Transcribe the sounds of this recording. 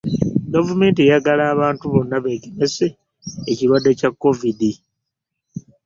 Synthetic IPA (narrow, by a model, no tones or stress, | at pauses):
ɡavume̞ːnt̬iejaɡalaːβaːntuβo̞nːaβe̞ɡemeseː | ciɾwadːe̞cakːo̞vidi